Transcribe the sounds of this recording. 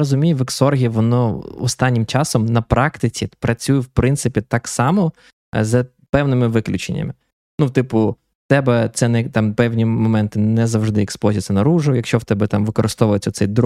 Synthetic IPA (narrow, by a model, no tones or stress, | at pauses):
ɔzʊmʲijɪʋeksɔrɦʲiʋɔnɔɔ̰st̪ɑnʲːɪmt͡ʃɑsɔmnɐpɾʔɑkt̪ɪt͡sʲipɾɐt͡sʲujɛwpɾɪnt̪sɪpʲit̪ɑksɑmɔ | zɐ | pɛwnɪmɪʋɪklʲʊt͡ʃenʲːɐ̰mɪ | nut̪ɪpʊ | t̪ɛbɛt̪sɛnɛt̪ɑmpɛwnʲimɔmɛnt̪ɪnɛzɐwʒd̪ɪɪksplɔzʲisʲɐnɐɾuʒʊjɐkʃt͡ʃɔwt̪ɛbɛt̪ɑmʋɪkɔɾɪst̪ɔʋʊjet͡sʲːɐt̪sɛjd̪